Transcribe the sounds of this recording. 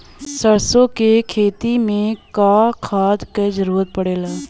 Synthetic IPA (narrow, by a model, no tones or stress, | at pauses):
səɾsõkekʰeːt̪imẽkaːkʰaːd̪ked͡ʒəɾuːɾət̪̚pəɽeːlaː